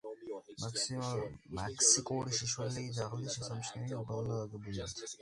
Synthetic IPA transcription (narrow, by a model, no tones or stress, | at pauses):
aksmakʰsikʼuɾiʃɛʃwɛliːzaʁld̪isʃɛsamʃʰnɛniɔbɾalˠnaaɡɛbuliat̪ʰ